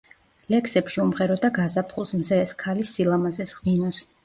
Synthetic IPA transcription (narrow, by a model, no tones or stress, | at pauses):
lɛksɛpʃiumʁɛɾɔd̪aɡazapʰχulˠsmzɛːskʰalisilˠamazɛsʁvinɔs